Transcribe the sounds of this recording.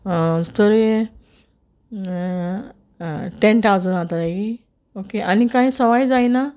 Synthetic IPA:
t̪əɾe | ʈẽntawd͡zənd͡zat̪at̪aɡi | okeʔanikaɦĩsəʋajd͡zajna

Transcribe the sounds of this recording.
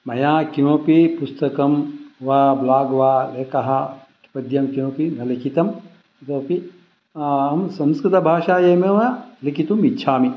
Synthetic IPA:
mɐjãːkiõːpipust̪ɐkɐmʋaːblaːɡʋaːleːkɐɦaki̥pɐd̪jɐmkiõːpinɐlikʰit̪ɐm | t̪oːpi | ɦɐmsɐ̃mskɾɪt̪ɐbʱaːʃaːjemeʋɐjalikit̪umitːʃʰaːmi

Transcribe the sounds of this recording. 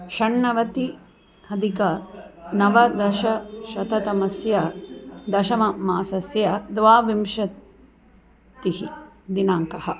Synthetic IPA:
ʃɐɳːɐʋɐt̪i | hɐd̪ikɐnɐʋɐd̪ɐʃɐʃɐt̪ɐt̪ɐmɐsjɐd̪ɐʃɐmɐmaːsɐsjɐd̪ʋaːʋimʃɐ | t̪ihid̪inaːŋkɐhɐ̆

